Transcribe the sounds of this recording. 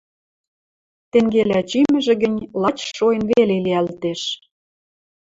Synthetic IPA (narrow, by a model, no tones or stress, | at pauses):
t̪eŋɡelæt͡ɕymɘ̆ʒĕɣə̆nʲlɑt͡ɕʃojə̆nβeleliælt̪eʃ